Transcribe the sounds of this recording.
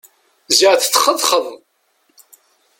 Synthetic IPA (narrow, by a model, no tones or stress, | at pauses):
zəʁθt͡sːəχəðˤχəðˤ